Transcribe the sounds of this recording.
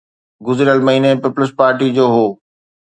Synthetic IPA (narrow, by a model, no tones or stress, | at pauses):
ɡʊzɾjəlmɐɦiːnepɪpʊlɪspaːɾʈid͡ʑoːɦoː